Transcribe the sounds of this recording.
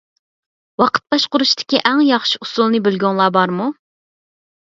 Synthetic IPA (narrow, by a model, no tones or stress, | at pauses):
wɑqʰə̥t̪̚bɑʃqʊɾuʃt̪ʰɪ̥kʲiʔæŋjɑχʃi̥usulˠnɨbɪlɡʲoŋlˠɑːbɑɾmu